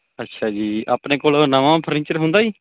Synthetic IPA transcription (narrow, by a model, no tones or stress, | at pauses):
ətːʃʰaːd͡ʒiːaːpnẽːkoːlnəʋãːpʰəɾɪ̃nt͡ʃəɾɦʊ̃nd̪aːiː